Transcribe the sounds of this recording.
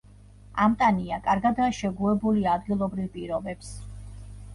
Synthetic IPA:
amt̪ʼaniakʼaɾɡad̪aːʃɛɡuɛbuliad̪ɡilˠɔbɾivpʼiɾɔbɛps

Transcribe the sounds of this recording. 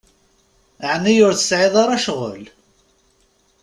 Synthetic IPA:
əʕnːijʊɾθə̥sʕɪðˤɑɾˤɑʃʁə̰l

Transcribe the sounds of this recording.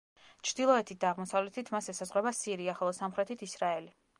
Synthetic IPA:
t͡ʃʰɾd̪ilˠɔɛt̪ʰit̪̚d̪aːʁmɔsavlɛt̪ʰit̪ʰmasɛsazʁɾɛbasiɾiaχɛlˠɔsamχɾɛt̪ʰit̪ʰisɾaɛli

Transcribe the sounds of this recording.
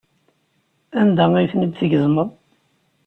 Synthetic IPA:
ænd̪ææjθnid̪θəɡðməðˤ

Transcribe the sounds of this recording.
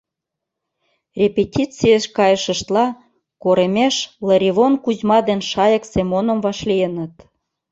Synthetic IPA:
rʲepʲetʲit͡sijeʃkɑjəʃə̆ʃt̪lɑ | koɾemʲeʃlə̆ɾʲiβonkuzʲmɑd̪enʃɑjɤ̆ksemonə̆mvɑʃlijənə̆t̪

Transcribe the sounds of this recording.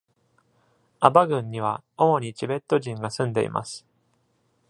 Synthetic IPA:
abaɡɯ̟̃ɲ̟ːiβ̞ao̞mo̞ɲ̟it͡ɕibe̞t̪ːo̞ʑĩŋɡasɨ̃nd̪e̞̰ḭmʔa̰sɨ̥

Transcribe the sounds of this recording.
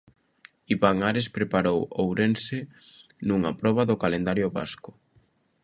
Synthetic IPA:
iβaŋaɾespɾepaɾowowɾense | nuŋapɾɔβaðʊkalend̪aɾjʊβa̰skʊ̥

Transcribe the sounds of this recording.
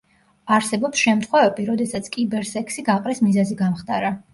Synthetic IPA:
aɾsɛbɔpsʃɛmt̪ʰχwɛvɛbiɾɔd̪ɛsat̪sʰkʼibɛɾsɛkʰsiɡaqʼɾismizaziɡamχt̪ʼaɾa

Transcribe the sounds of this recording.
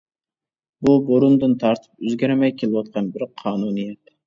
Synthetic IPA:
buboɾund̪ɨnt̪ʰɑɾt̪ʰɨ̥p̚øzɡʲæɾmɛjkʲʰelɪwɑt̪̚qʰɑnbɪɾqʰɑːnunijɛt̪

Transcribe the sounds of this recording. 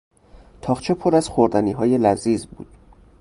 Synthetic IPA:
t̪ʰɒːχt͡ʃʰe̞pʰoɾæz̥xoɾd̪æniːɦɒːje̞læziːzbṵːd̪̥̚

